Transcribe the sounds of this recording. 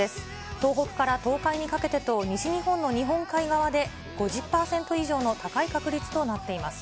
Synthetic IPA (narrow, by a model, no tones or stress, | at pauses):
e̞sɨ̥ | t̪o̞ːɦo̞kɯ̟̥kaɾat̪o̞ːkaiɲ̟ikake̞t̪e̞t̪o̞ɲ̟iɕiɲ̟ihõ̞nːo̞ɲ̟iɦõ̞ŋkaiɡaβad̪e̞ | ɡ̥o̞ʑɨpːaːsẽ̞nt̪o̞iʑo̞ːno̞t̪akaikakɯ̟ɾʲit͡sɨ̥t̪o̞nat̪ːe̞imasɨ̥